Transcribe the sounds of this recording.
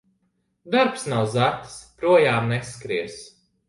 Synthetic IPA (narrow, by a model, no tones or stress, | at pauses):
d̪aɾpsnawzat̪spɾuɔjaːmneskɾiɛs